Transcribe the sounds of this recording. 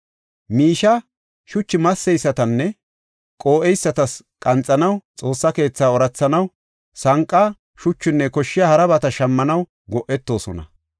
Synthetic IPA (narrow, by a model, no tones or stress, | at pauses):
miːʃɐ | ʃʊt͡ʃːɪmɐsːɛjsːɐt̪ɐnːɛ | kʼo̞ːʔɛjsːɐt̪ɐs | kʼɐnt͡sʼːɐnɐwt͡sʼo̞ːsːɐke̞ːt͡sːaːɔɾɐt͡sːɐnɐw | sɐŋkʼːɐ | ʃʊt͡ʃːʊnːɛkɔʃːɪjaːhɐɾɐbɐt̪ɐʃɐmːɐnɐw | ɡɔʔːɛt̪ːo̞ːsɔ̰nɐ̰